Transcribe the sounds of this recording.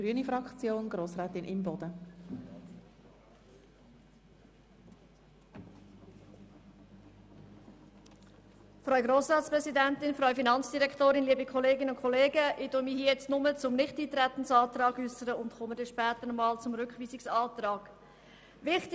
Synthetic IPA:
ɡ̥ɾyənifɾɑkt͡sjoːnɡ̥ɾoːsɾɛːtɪnʔɪmbɔd̥ə | fɾœʏɡɾoːsɾɑːtspɾʁɛzidɛntɪnfɾœʏfinɑnt͡sd̥iʁɾɛktoːɾɪnliːbikʰɔleːɡɪnʊnkʰɔleːɡəʔɪd̥ʊmihiːjɛt͡stnʊmət͡sʊmnɪχtiːt̪ɾɛt̪ən̩sɑːt̪ɾɑːɡysəɾəʊndχɔmədɛʃpɛːt̪ənɔmɑːlt͡sʊmɾʏkχviːsɪksɑːt̪ɾɑːɡ̥ | vɪχt

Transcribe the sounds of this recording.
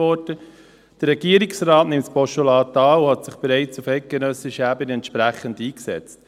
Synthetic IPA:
ɔɾdə | d̥əɾɾɛɡ̥iːəɾiksɾaːtnɪmtspɔʃolɑːtɑːuhatsɪχb̥eɾɛɪt͡sufɛɪt̚ɡ̥enœsɪʃəæbəniɛntʃpɾæχːəndiːksɛ̰t͡st

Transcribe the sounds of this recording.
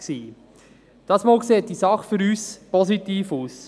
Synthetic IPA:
siː | d̥ɑːsmoːlkseːt̚d̥isɑχfʏɾyːspɔsitiːfuːs

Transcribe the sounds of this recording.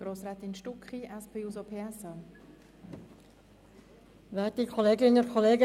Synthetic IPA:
ɡ̥ɾoːsɾɛːt̪ɪnʃtukχiʔɛspʰeːusopʰeːɛsɑː | ʋɛt̚ikʰɔleːɡɪnəəkʰɔleːɡə

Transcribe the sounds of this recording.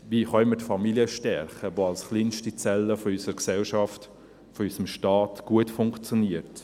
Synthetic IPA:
ʋiːχœmətfɑmiliəʃtɛɾχəʋoːɑlsχliːnʃtit͡sɛlːəfɔysəəɾksɛlʃɑft | fɔysəmʃtɑːtɡ̥uətfʊŋkt͡sjoniəɾt

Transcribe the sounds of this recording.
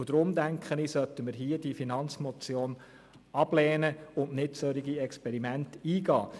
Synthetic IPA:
d̥̪ɾʊmd̪æŋkʰχənisœt̪ːəməɾɦiəd̥ifinɑnt͡smɔt͡sjoːn | ɑb̥lɛːnəʊntnɪtsœɾiɡiɛkspɛɾimæntiːɡɑː

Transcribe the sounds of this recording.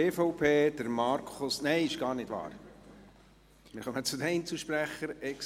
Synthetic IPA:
eːfɔʊpʰeːd̥̪əɾmɑɾkʰχʊsnɛɪɪʃɡ̥ɑːɾnɪd̥ʋɑ̰ːɾ | mɪɾχœmət͡sʊd̪ɛint͡suʃpɾæχəɾɛks

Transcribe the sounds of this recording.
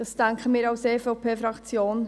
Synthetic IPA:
d̥ɑsd̥æŋkχəmiːɾɑʊseːfoʊpʰeːfɾɑkt͡sjoːn

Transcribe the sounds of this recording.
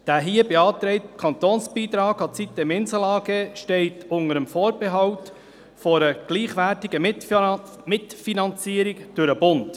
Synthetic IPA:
d̥æːɦiːəbeɑːtɾɛɪtkʰɑnt̪oːnsb̥iːtɾɑːkɑt͡sit̚ːɛmɪnsəlɑːɡeʃtɛɪtʊŋəɾəmfoːɾb̥eɦɑwt | fɔɾəɡ̥liːχʋæːɾtɪɡə | mɪtfinɑnt͡siːəɾɪkd̥ʊɾəbʊnt

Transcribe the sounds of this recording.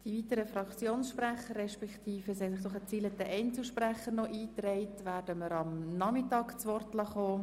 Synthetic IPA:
d̥ivitəɾəfɾɑkt͡sjoːnsʃpræχərɛʃpɛkt̪ʰiːfəsɛnsoχət͡siːlət̪ɛʔɛɪnt͡sl̩ʃpræχəɾnɔʔiːtrɛɪtʋæːɾd̥əməɾɑmnɑmɪtɑːkt͡sʋɔrtlɑχoː

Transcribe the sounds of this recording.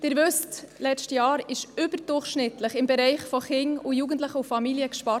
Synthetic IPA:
d̥ɪːɾʋʉstlɛt͡ʃtəjɑːɾɪʃʏbəɾd̥ʊrχʃnɪtləχɪmbɛɾɛɪχfɔχɪŋujuɡəntləχəufɑmiljəkʃpɑ

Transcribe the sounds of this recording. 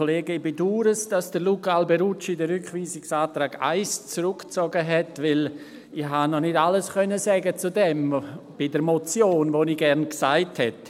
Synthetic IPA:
oleːɡəbeduːɾəsd̥asd̥əlukalbɛɾut͡ʃidəɾʏkχviːsɪksaːtɾaːɡa̰ɪst͡sɾʊkt͡sɔɡəɦɛtvɪl | ɪhanɔnɪtaləskœnəsɛːɡət͡sudɛmb̥ɪdəɾmot͡sjoːnvoniɡɛɾnksaɪthɛt

